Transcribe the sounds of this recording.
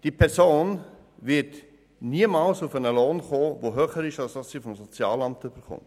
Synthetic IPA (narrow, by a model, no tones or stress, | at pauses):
d̥iːpʰɛɾsoːn | vɪt | niəmɑːlsufənəloːnχoːvoːɦøːχəɾɪʃɑlsd̥ɑsːiːfɔmsɔt͡sjɑ̰ːlɑmtyb̥əɾχʊ̰nt